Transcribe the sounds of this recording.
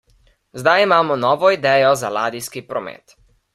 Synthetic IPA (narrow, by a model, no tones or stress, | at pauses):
zd̪ajimaːmɔnɔːʋɔid̪ɛːjɔzalaːd̪iskipɾɔmɛ̰ːt̪